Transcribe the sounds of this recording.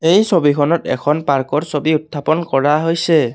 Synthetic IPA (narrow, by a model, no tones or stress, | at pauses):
ejsobikʰɔnɔtɛ̰kʰɔnpaɹkɔɹsobiutʰːapɔnkɔɹaɦojsɛ